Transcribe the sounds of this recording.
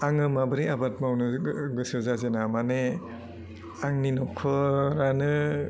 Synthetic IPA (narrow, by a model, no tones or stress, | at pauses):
aŋɯmabɯɾiabat̚mawnɯɡɯsɯzazenamane | aŋninɔkʰɯɾanɯ